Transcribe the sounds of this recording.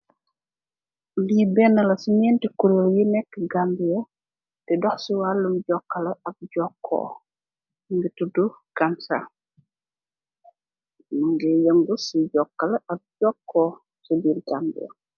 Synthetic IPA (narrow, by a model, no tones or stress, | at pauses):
libɛnːɐlɐsiɲɛːntikuɾoljinɛkːəɡambijɐ | tɛdɔxsuwalːumɟɔkːɐlɐɐp̚ɟɔkʰːɔ̰ː | ŋɡituduɡ̥ansa̰ | ŋɡɛjɐŋɡusiɟɔkːɐlɐɐp̚ɟɔkʰːɔː | sɔbirɡambḭjɐ̰